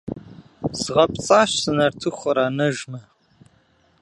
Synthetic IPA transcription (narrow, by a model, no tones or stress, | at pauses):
zʁɐpt͡sʼaːɕsɨnɐrtʰɨχʷɐɾaːnɐʒmɐ